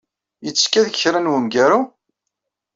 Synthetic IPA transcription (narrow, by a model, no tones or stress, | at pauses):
jət͡sːkːæðççɾænwəmɡæɾu